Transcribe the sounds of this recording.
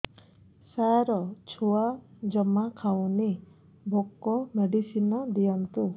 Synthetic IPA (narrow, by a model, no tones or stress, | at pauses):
saɾɔt͡ʃʰuad͡ʒɔmakʰawni | bʱokːɔmeɖisinɔd̪ijɔnt̪u